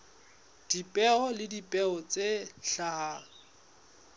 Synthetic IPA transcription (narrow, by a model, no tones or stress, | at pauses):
d̥ipʼɛɔlɪdipʼɛɔt͡sʼeɬahaːŋ̩